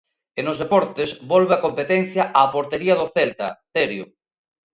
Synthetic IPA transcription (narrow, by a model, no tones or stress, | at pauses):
enozðepɔɾt̪ezbɔlβeakompet̪ɛn̟θjaʔapoɾt̪eɾiaðoθelt̪ɐ̰t̪eɾjo